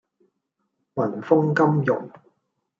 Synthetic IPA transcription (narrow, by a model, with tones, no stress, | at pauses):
wɐ˨˩nfʊ˥ŋkɐ˥mjʊ̰˨˩ŋ